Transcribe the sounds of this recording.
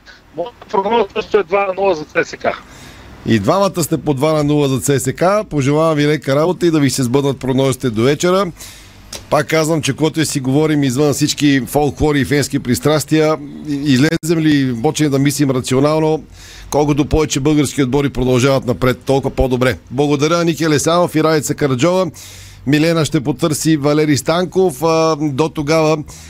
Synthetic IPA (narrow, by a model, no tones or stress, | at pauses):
mɔʒd̪ɐpɾoɡnɔzsəʃt̪oɛd̪vanɐnulˠəzɐt̪sɛsɛka | ḭd̪vamət̪əst̪ɛpod̪vanɐnulˠəzɐt̪sɛsɛkapoʒɛlˠavɐmvilɛkəɾabot̪əid̪ɐvisɛzbɤd̪nət̪̚pɾoɡnɔzit̪ɛd̪ovɛt͡ʃɛɾə | pakːazvəmt͡ʃɛkoɡat̪ʊsiɡovɔɾimizvənfsit͡ʃkifɔlˠkxɔɾiːfɛnskipɾist̪ɾast̪iəizlɛzɛmlipɔt͡ʃɛmd̪ɐmislimɾɐt̪sionalˠno | kɔlˠkʊt̪opɔvɛt͡ʃɛbɤlˠɡəɾsk̟iod̪̚bɔɾipɾod̪ɐlˠʒavɐt̪nɐpɾɛt̪ːɔlˠkpod̪obɾɛblˠɐɡod̪ɐɾʲənikʲɛɐlɛsanɐfiɾalit̪sɐkɐɾɐd͡ʒɔvə | milɛnɐʃt̪ɛpot̪ɤɾsivɐlɛɾist̪aŋkofd̪ot̪oɡavə